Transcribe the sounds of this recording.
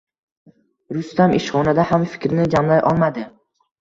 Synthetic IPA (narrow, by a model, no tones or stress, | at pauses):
ɾʊst̪amʔɪʃχɒnad̪ahamfɪ̥kʲɾnɪd͡ʒamlajʔɒ̰lˠmad̪ɪ